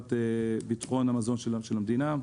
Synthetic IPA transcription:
t̪ebit̪χo̞namazo̞nʃelʃelamd̪ina

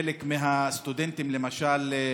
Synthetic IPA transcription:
elekmeɦast̪ud̪ent̪imlemaʃal

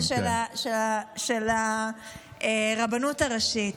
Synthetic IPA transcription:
ʃelaʃeaʃela | eʁabanutaʁaʃit

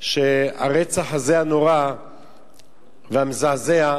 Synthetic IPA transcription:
ʃea̰ʁet͡saχazeano̞ʁa | veamzaːzea

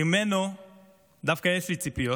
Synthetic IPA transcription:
umɛnɔ | d̪afkaɛfitipiɔ

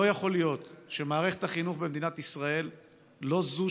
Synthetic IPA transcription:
ojaχo̞lijo̞t̪ʃe̞maːʁe̞χet̪aχinuχbemd̪inat̪isʁae̞lː | o̞zu

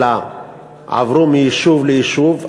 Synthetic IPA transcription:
a | a̰vɾomiʃuvleiʃuv

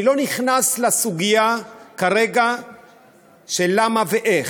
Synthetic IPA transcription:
lo̞niχnaslasuɡijakaɾeɡa | ʃelamaveʔeχ

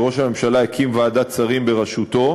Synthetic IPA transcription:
ʁo̞ʃhame̞mʃalaekʰimvaːd̪at͡saʁimbe̞ʁaʃut̪o̞

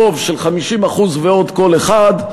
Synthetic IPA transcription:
o̞vʃe̞lχamiʃimaχuzveo̞d̪ko̞leχad̪

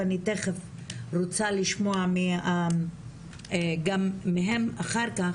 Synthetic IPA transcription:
aniteχef | ʁot͡saliʃmoamia | ɡamːiɦemaχaʁka

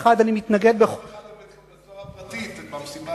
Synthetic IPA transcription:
χad̪animit̪naɡed̪̚beχ

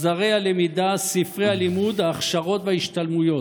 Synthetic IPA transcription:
zaʁealemid̪asifʁejhalimud̪aːχʃaʁo̞t̪veiʃt̪almujo̞t

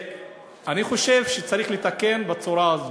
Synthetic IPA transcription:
aniχo̞ʃe̞vʃet͡saɾiχlet̪ake̞nbat͡suɾaazo

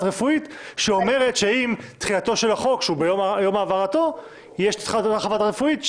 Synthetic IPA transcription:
ʁefuit̪ʃeo̞me̞ʁetʃe̞imt̪χiato̞ʃe̞laχo̞kʃeubejomjomaːvaʁato̞ | jeʃtχatataχavatʁefuit̪

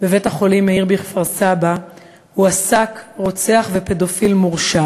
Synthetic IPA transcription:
bevethaχo̞limeiʁbeiχfaʁsaba | huasakʁo̞t͡seaχve̞pe̞do̞filmuʁʃa

